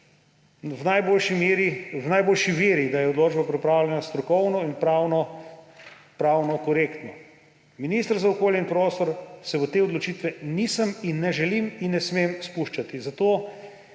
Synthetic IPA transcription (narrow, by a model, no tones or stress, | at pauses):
wnajbolʃimɾiwnajboːlʃiʋeːɾid̪ajɛod̪loːd͡ʒbapɾipɾaːwlʲjɛnast̪ɾɔkɔwnɔinpɾawnɔ | pɾaːwnɔkɔɾeːkt̪nɔ | minist̪əɾzaokoːljɛinpɾoːst̪ɔɾsɛʋət̪eːɔd̪lot͡ʃit̪ʋɛnisəminːɛʒɛliminːɛsmemspuʃt͡ʃat̪izat̪oː